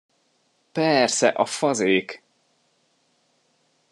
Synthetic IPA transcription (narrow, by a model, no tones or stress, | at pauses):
pɛrsɛ̰ʔɒfɒzeːk